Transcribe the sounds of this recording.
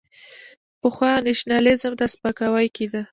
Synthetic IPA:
pəxwɑneʃnɑlɪzəmd̪aspakawajkid̪a

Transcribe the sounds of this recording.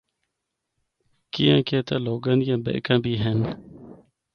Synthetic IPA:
kijãːkeːt̪aloːɡãnijãːbḛʔkãːbiːɦen

